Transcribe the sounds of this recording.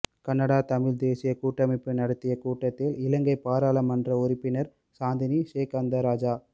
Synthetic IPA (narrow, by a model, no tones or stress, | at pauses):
kɐnːɐɽaːt̪ɐmɪɻd̪eːsɪjɐkuːʈːɐmɪpːɯnɐɽɐt̪ːɪjɐkuːʈːɐt̪ːɪlɪlɐŋɡɐɪpːaːɾaːlɐmɐndrɐʊɾɪpːɪnɐɾ | saːnd̪ɪniʃeːkɐnd̪ɐɾaːd͡ʒaː